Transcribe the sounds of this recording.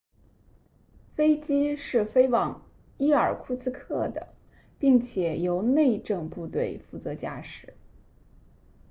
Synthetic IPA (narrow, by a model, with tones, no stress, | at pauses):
fe˥ɪt͡ɕi˥ʂɻ̩˥˩fe˥ɪwɑ˨˩ŋ | i˥˩ə˞˨˩kʰu˥˧t͡sɹ̩˥kʰɤ˥˩d̪ə̰˩ | pi˥˩ŋt͡ɕʰjɛ˨˩jo˧˥ʊne˥˧ɪʈ͡ʂɤ˥˧ŋpu˥˧t̪we˥˩ɪfu˥˩t͡sɤ˧˥t͡ɕja˥˧ʂɻ̩˨˩˦